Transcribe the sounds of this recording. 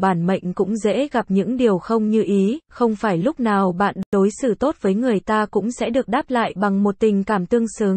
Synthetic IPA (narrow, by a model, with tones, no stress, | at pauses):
ɓaː˧˩nmə̰˧˨jŋ̟kʊ̰˧˥ŋ͡mzḛ˧˥ɣa˨˩p̚ɲɨ̰˧˥ŋɗi˨˩əwxə˧wŋ͡mɲɨ˧ʔi˨˦xə˧wŋ͡mfaː˧˩jlʊ˦˥k͡p̚naː˨˩wɓa̰ː˧˨nɗo˨˦jsɨ̰˧˩t̪o˦˥t̚vəː˨˦jŋɨ˨˩əjt̪aː˧kʊ̰˧˥ŋ͡msɛ̰˧˥ɗɨ˨˩ək̚ɗaː˦˥p̚la̰ː˧˨jɓa˨˩ŋmo˨˩t̚t̪ï˨˩ŋ̟kaː˧˩mt̪ɨ˧əŋsɨː˨˦ŋ